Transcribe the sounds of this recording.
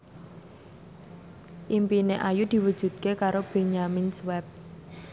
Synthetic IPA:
ʔimpineʔajud̪̥i̤wəd̥ʒ̥ṳd̪̚kekaɾob̥e̤ɲaminswɛp̚

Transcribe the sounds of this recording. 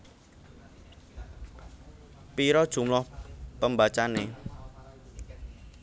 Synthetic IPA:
piɾɔd̥ʒ̥ṳmlɔhpəmbat͡ʃane

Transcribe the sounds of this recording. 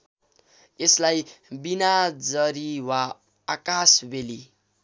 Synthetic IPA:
eslajbinad͡zʌɾiwaː | kasbeli

